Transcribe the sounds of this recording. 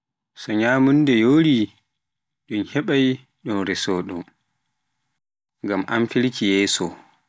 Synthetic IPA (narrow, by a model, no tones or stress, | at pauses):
sɔɲaːmundɛjoːɾi | ɗunhɛɓaj | ɗunɾɛsɔːɗɔ | ŋɡamʔamfiɾkʰijɛːsɔ